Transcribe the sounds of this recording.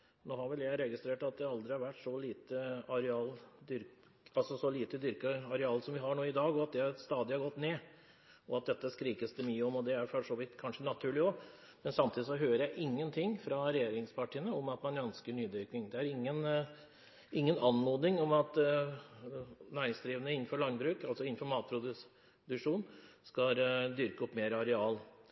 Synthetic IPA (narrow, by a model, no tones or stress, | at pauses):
noːhɑɾʋɛljæɪɾɛɡɪst̪ɾeːʈɑt̪̚d̪ɛɑld̪ɾɪhɑɾʋæʈːʂɔliːt̪əɑɾɛɑːld̪ʏɾk | ɑlsɔsɔliːt̪əd̪ʏɾkəɑɾɛɑːlsɔmʋɪɦɑɳoːɪd̪ɑːɡɔɑt̪̚d̪ɛst̪ɑːd̪ɪhɑɾɡɔt̪ːneː | ɔɑt̪̚d̪ɛt̪ːəskɾiːkəsd̪əmyːəɔmɔd̪ɛæɾfɔʂɔʋɪt̪kʰɑnʂənɑt̪ʰʉːɭɪɔ | mɛnsɑmt̪ʰiːd̪ɪsɔɦøːɾəɾjæɪʔɪŋːənt̪ʰɪŋːfɾɑɾɛjeːɾɪŋspʰɑʈʰiːənəɔmɑt̪mɑnœnskəɳyːd̪ʏɾknɪŋd̪ɛæɾɪŋːən | ʔɪŋːənɑnmoːd̪ɪŋɔmɑt̪ | næɪɪŋsd̪ɾiːʋənəɪnːn̩fɔɾɭɑŋbɾʉːkɑlsɔɪn̩ːfɔɾmɑːt̪̚pʰɾʊd̪ | d̪ʉkʂuːnskɑd̪ʏɾkəɔpːmeːɾəɑɾɛɑːl